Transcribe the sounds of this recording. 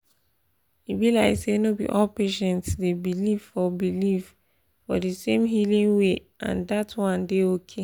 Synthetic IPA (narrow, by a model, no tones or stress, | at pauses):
ibilaɪksenobḭʔɔlpeʃɛ̃ntsdebiliv̥fɔbiliv | fɔ̰disẽmɦilĩŋweʔã̰ndatʰwɔ̃ndeokʰe